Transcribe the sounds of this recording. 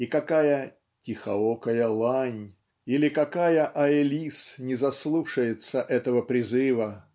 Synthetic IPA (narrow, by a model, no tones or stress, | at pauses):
ikɐkajə | tʲɪxɐ̰okəjəlˠanʲ | ilʲɪkɐkajəʔɐɪlʲisnʲɪzɐslˠuʂəjɪt̪səʔɛt̪əvəpɾʲɪzɨvə